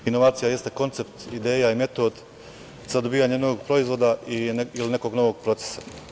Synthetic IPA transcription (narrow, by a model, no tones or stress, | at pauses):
ino̞ʋaːt̪sijaje̞st̪eko̞nt̪se̞pt̪id̪e̞ːjaime̞t̪o̞d̪ | zad̪o̞biːjaɲeno̞ʋoɡpɾo̞izʋo̞d̪aiiline̞ko̞ːɡno̞ʋo̞ɡ̚pɾo̞t̪se̥sḁ